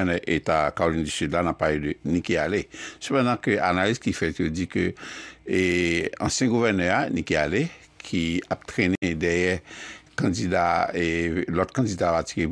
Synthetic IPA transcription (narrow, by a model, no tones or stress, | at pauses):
ɛnɛʔetakaolĩndysydlanapːaledənikealesøpɑ̃dãkøʔa̰nalizkifɛt̪jod͡zikø | ɑ̰̃sjɛ̃ɡuvɛnœanikeale | kʰiap̚tʁenedɛjɛkãd͡zidaelɔt̚kãd͡zidapatike